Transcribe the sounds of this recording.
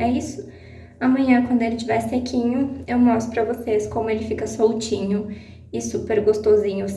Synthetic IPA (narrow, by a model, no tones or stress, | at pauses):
ɛisʊ̥ | ɐmɐ̃ɲɐ̃kwɐ̃nd̪ʊelɪt͡ʃivɛsekʰʲĩɲʊewmɔst̪ʊ̥pɾɐvoseskõmʊelɪfikɐsowt͡ʃĩɲʊ | ɪsupeɾɡost̪ozĩɲʊ